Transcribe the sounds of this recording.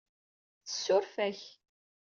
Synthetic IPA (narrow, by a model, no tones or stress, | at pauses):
θə̥sːʊɾfæç